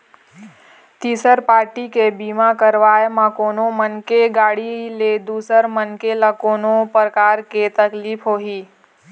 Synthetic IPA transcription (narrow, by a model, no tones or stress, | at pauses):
t̪iːsəɾpaːɾʈikebiːmakəɾʋaːemãkoːnomənkeɡaːɽiled̪uːsəɾmənkelãkoːnopɾəkaːɾket̪əkliːpʰɦoːɦiː